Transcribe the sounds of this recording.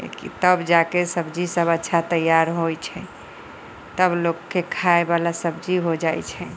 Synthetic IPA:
kḭt̪əbd͡ʒakesəbd͡ʒisəbətːʃʰat̪əjaɾɦojt͡ʃʰɛ | t̪əblokːekʰaebalasəbd͡ʒiɦod͡ʒajt͡ʃʰɛ

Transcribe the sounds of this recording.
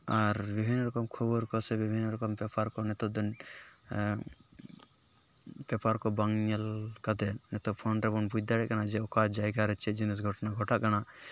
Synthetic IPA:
aɾbibʱinːɔɾɔkɔmkʰɔbɔɾkɔsɛbibʱinːɔɾɔkɔmpɛpaɾkɔnɛt̪ɔd̪ɔn | pɛpaɾkɔbaŋɲɛlkad̪ɛnɛt̪ɔpʰɔnɾɛbɔnbujd̪aɽɛʔkanad͡ʒɛɔkad͡ʒajɡaɾɛt͡ʃɛd͡ʒinis̬ɡʱɔʈɔnaɡʱɔʈaʔkana

